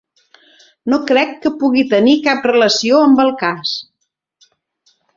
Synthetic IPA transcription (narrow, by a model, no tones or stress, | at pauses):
nokɾɛkːəpuɣit̪ənikap̚rələsioəmbəlˠkas